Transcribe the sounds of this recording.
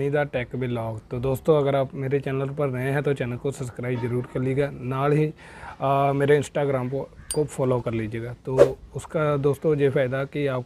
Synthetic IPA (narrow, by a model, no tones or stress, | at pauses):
nid̪aʈɛːkbʱilɔːɡt̪oːd̪oːst̪õɐɡəɾaːpmeːɾet͡ʃɛːnəlpəɾːɐɦẽɦɛ̃t̪ot͡ʃɛːnəlkosɐpskɾaːɪbzəɾuːɾkɐɾlieɡaːnaːlɦi | meːɾeɪ̃nsʈaːɡɾaːmkopʰɔːloːkɐɾliːd͡ʒieːɡaːt̪oːʊskad̪oːst̪õjepʰaːɪd̪akiaːp̚